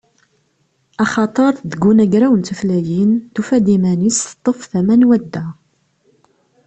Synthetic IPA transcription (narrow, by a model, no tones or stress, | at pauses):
ɑχɑt̪ˤəɾˤðəɡːunæɡɾæwənt̪əflæjint̪ufæd̪imænisθt̪ˤːəfθæmænwæd̪ːæ